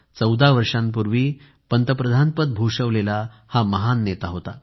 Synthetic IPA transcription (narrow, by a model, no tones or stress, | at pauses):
t͡səwd̪aʋəɾʂampuɾʋiː | pənt̪əpɾəd̪ʱanpət̪̚bʱuʂəʋlela | haməɦanːet̪aɦot̪a̰